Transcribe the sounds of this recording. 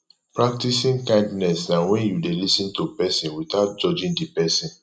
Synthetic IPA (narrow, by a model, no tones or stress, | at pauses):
pɹak̚tisĩŋkãɪ̃ndnɛsãnwɛ̃njudelisĩntupɛsĩnwitaʊt̚d͡ʒɔd͡ʒĩŋdipɛsĩn